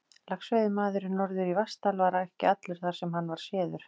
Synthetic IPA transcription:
laksvejðɪmaːðʏɾɪnɔɾðʏɾivast̪alvaːɾaɛhcɪat̪lʏɾ̥θaɾ̥sɛmɦanːvaɾ̥sjɛːðʏɾ̥

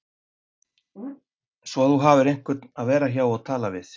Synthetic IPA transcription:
svɔθuɦaːvʏɾejŋ̥kvʏɾt̪naðvɛːɾaçaːwaðt̪ʰaːlavɪθ

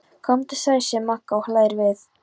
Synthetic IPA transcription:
kʰɔmt̪ɪ̥sajsjɛmahkːawhlaːjɾvɪθ

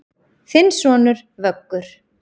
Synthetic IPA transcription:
θɪnːsvɔːnʏɾ | vœkːʏɾ̥

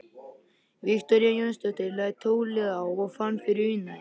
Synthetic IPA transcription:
viht̪ɔɾjajœnst̪œt̪ɪɾlajt̪ʰːoːwlɛɣawɔɣfanːfɪɾɪɾʏna

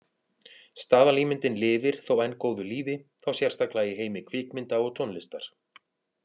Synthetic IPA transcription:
st̪aːvaliːmɪnt̪ɪnlɪːvɪɾ̥θowɛjnːkoːwðʏliːvɪθawsjar̥st̪aklajɪɦeːjmɪkʰvɪːkmɪnt̪aɔɣt̪ʰɔwnlɪst̪aɾ̥

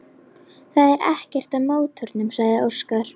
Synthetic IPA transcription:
θaðɛɾʔɛhcɛr̥t̪aðmoːwt̪ʰʏɾt̪nʏmsaɣðɪo̥skaɾ̥

